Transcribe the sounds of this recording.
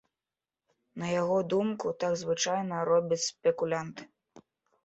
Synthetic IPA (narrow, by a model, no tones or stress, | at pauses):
nɐjaɣɔd̪umkut̪aɡzvɨt͡ʂajnɐɾɔbʲɐt͡sʲspʲɛkulʲant̪ɨ̥